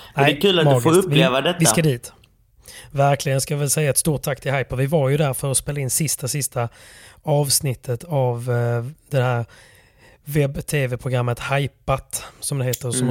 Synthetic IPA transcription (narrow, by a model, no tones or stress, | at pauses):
nɛɛkʰʉːlat̪mɑːɡfːɵpːɪleːvad̪ɛt̪ɪskad̪iːt̪ | væɾkʰlɪɡənskajɑvɛlsɛjːaɛt̪st̪uːʈ̚t̪ʰːakːt̪ʰɪlhajpavɪvaɾjɵd̪æɾfœɾɔspeːlːaɪnːsɪst̪asɪst̪aɑːvsnɪt̪ʰːət̪avd̪̥ɛhæːɾ | vɛbt̪ʰeːvɛpʰɾʊɡɾamːət̪hajpat̪sɔmd̪ɛheːt̪əɾɔm